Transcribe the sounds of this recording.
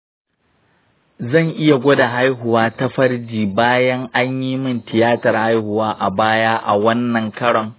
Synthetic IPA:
zɐ˦˨ŋʔɪ˦ja˨ɡʷo˦da˨ɦa˦jɦʊ˨waː˦ta˦ɸɐ˦ɽd͡ʒiː˨baː˦jɐ˦ŋʔa˦ɲjiː˦mɪ˦˨ntɪ˨jaː˦tɐ˨rha˦jhʊ˨waː˦ʔa˨baː˦jaː˦ʔa̰˨wɐ˦nːɐ˨ŋkɐ˦ɽɔ˨ŋ

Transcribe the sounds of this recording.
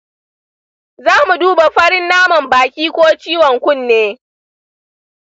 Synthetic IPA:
zaː˦mu˨duː˦ba˨ɸɐ˦ɽɪ˦nːaː˦mɐ˨mbaː˨kʲiː˦kʷoː˦t͡ʃiː˦wɔ˨ŋkʷʊ˦˨nːeː˦

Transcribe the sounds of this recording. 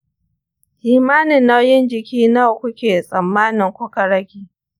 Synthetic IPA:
ʔiː˨maː˦nɪ˨nːa˦wjɪ˦nd͡ʒɪ˨kʲiː˦na˦˨wkʷʊ˦kʲeː˨sʼɐ˨mːaː˦nɪ˨ŋkʷʊ˦ka˨ɽɐ˦ɡʲiː˦

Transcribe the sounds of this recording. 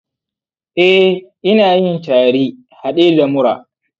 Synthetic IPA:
ʔɛ˦ʔɪ˦naː˨jɪ˦ntaː˨ɽiː˦ | ha˨ɗeː˦da˨mʊ˦ɾa̰ː˨

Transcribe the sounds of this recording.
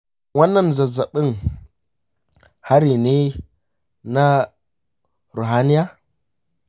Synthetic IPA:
wa˦nːa˦n˨za˨za˨ɓi˦ŋ | ha˦ɾi˨ni˦ | na˦ | ɾo˨ɦa˦ni˦ja˦

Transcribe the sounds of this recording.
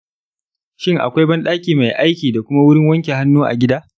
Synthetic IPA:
ʃɪ˦ŋʔa̰˨kʷa˦jbɐ˦nɗaː˦kʲiː˨ma˨jʔa˦jkʲiː˨da˨kʷʊ˦ma˦wʊ˦ɾɪ˦ŋwɐ˦ŋkʲe˨ɦa˦nːuː˦ʔa̰˨ɡʲɪ˦daː˦

